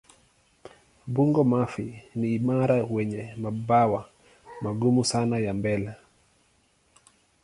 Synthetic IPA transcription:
buŋɡɔmafiniːmaɾawɛɲɛmabawa | maɡumusanajambɛlɛ

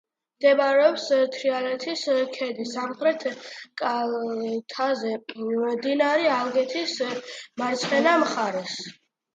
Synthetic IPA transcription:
md̪ɛbaɾɛɔpst̪ʰɾialɛt̪ʰiskʰɛd̪isamχɾɛt̪ʰkʼa | t̪ʰazɛd̪inaɾialɡɛt̪ʰismaɾt̪sʰχɛnamχaɾɛs

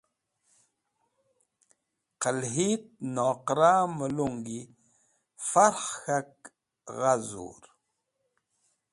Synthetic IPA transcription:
qəlɦit̪̚noːqɾaməluŋɡi | faɾχxak̚ | ɣazṵɾ

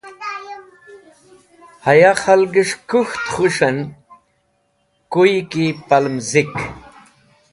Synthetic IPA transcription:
hɐjaχɐlɡiʂkuxt̪χuʂɐn | kujkipɐlmzik

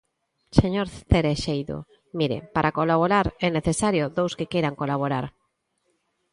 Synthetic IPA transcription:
seɲoɾθeɾeʃejðo̰ | miɾḛpaɾʔakolaβ̞oɾaɾɛneθesaɾjoðowskekejɾaŋkolaβoɾaɾ

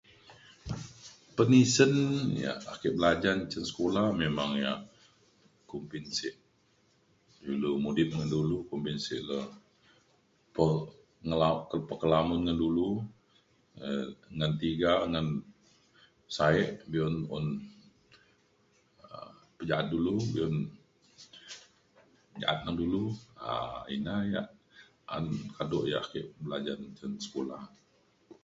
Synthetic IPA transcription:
pənisənja̰akɪʔbəlad͡ʒaɲt͡ʃənsə̥kolahmemaŋja | kumpinsɪʔ | dulumudɪt̪̚ŋandulukumpinsɪ̰ʔlə | pə | ŋəlaʔkəpəkəlamʊnŋəndulu | ŋant̪iɡaŋan | saɛʔbiɔnɔ̰n | ə | pəd͡ʒaʔat̪̚dulubiɔn | d͡ʒa̰ʔat̪̚nahdulua̰ḭnaja̰ʔ | a̰nkadɔʔja̰ʔkiʔbəlad͡ʒantənsə̥kulah

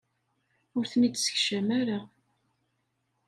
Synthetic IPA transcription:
ʊɾθənid̪sə̥çʃəmæɾa

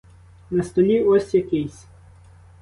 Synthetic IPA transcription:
nɐst̪ɔlʲiɔsʲjɐkɪjsʲ

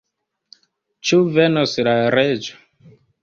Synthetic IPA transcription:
t͡ʃuvenoslaɾed͡ʒo̥

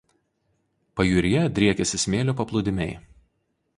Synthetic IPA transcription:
pɐjuːɾʲɪjɛd̪ʲɾʲiɛkʲɛsʲɪsʲmʲeːlʲoːpɐplˠʊd̪ʲɪmʲɛɪ

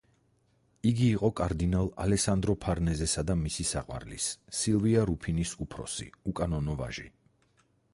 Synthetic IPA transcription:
iɡiːqʼɔkʼaɾd̪inalˠa̰lɛksand̪ɾɔpʰaɾnɛzɛsad̪amisisaqʼwa̰ɾlḭsːilˠviaɾupʰinisupʰɾɔ̰sḭukʼanɔnɔva̰ʒḭ

